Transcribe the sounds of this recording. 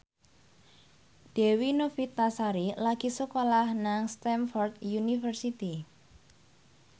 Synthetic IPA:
d̥e̤winofit̪ːasaɾilaɡ̥isəkolahnaŋst̪ɛnfɔrt̪junifərsit̪i

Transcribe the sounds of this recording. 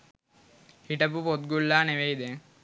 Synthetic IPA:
hiʈəpupot̪̚ɡulːaːneʋeid̪eŋ

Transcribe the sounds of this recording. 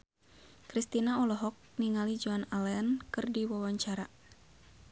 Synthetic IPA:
kɾist̪inaɔlɔɦɔk̚niŋalid͡ʒuanalɛankɨrdiwawaɲt͡ʃaɾa

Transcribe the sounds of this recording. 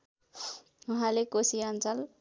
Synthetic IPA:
uɦãlekosiʌnt͡sʌl

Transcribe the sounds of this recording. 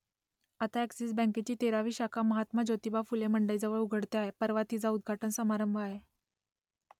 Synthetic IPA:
at̪aeksiːsbə̃ŋket͡ɕiːt̪eɾaʋiːɕakʰaməɦat̪məd͡ʑot̪ibʱafuleməɳɖəjd͡zəʋəɭuɡʱəɽt̪eaɦepəɾʋat̪iːd͡zaud̪̚ɡʱaʈənsəmaɾəmbʱəaɦe

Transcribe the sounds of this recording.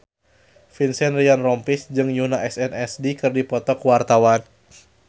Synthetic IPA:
finsɛnrianrɔmpɪsd͡ʒɨŋjunaʔɛsɛnɛsdikɨrdipɔt̪ɔkwart̪awan

